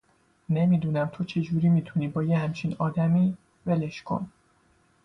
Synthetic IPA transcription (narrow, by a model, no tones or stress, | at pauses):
ne̞miːd̪uːnæmt̪ʰo̞t͡ʃʰe̞d͡ʒuːɾiːmiːt̪ʰuniːbɒːjehæmt͡ʃʰinɒːd̪æmiː | ve̞leʃkʰo̞̰n